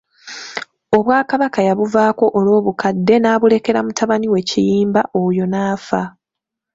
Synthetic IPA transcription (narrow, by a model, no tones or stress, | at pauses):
o̞βwaːkaβakajaβuvaːko̞ʔolo̞ːβukʰadːe̞naːβule̞ke̞ɾa̰mutʰaβaniwe̞cijiːmbaʔojo̞naːfa